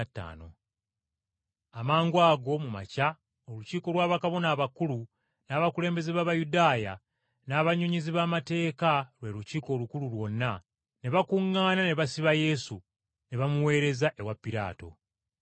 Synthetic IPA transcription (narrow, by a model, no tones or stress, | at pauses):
tːa̰ːno̞̰ | amaːŋɡwaːɡo̞muma̰ca | oluciːko̞lwaːβakaβo̞naːβakulu | naːβakule̞ːmbe̞zeβaːβajudaːja̰ | naːβaɲuɲiziβaːmate̞ːkalwe̞ːluciːko̞ːlukululwo̞nːa | ne̞βakuŋːaːnane̞βasiβaje̞su | ne̞βamuwe̞ːɾe̞zaʔe̞wapːiɾa̰ːto̞̰